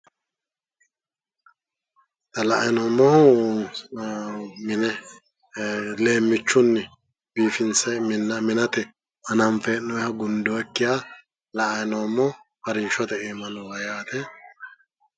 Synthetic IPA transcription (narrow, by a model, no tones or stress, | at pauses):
t̪ɐlɐʔɐjnoːmːɔh | mɪnɛ | le̞ːmːɪt͡ʃːʊnːɛ | biːfɪnsɛmɪnɐmɪnɐt̪ɛ | ɐnɐmfɛnːɔjhɐɡʊnd̪ɔɛkːɪjaː | lɐʔɐjnoːmːɔfɐɾiːʃɔt̪ɛeːmɐnʊwɐjaːt̪ɛ